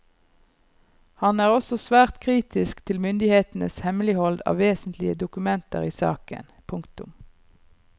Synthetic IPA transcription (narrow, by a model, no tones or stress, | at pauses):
hɑnæːʁɔsɔsʋæːʁt̪kʰʁiːt̪ɪskt̪ʰɪlmʏnd̪ɪheːt̪n̩əshɛmlɪhɔld̪ɑ̰ːʋeːsnt̪lɪəd̪ʊkʉmɛnt̪ə̰ʁiːsɑ̰ːkə̰npʰʊŋkt̪ʊm